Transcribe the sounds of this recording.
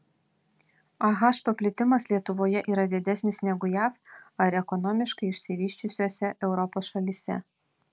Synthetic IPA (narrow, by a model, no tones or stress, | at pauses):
ɐɣɑːʃpɐpʲlʲɪt̪ʲɪmɐslʲiɛt̪ʊʋoːjɛʔiːɾɐd̪ʲɪd̪ʲɛsʲnʲɪsnʲɛɡʊjæːfɐɾɛkɔnɔmʲɪʃkɐɪɪʃʲsʲɪʋʲiːʃʲt͡ʃʲʊsʲoːsʲɛʔɛʊɾɔpoːsʃɐlʲiːsʲɛ̰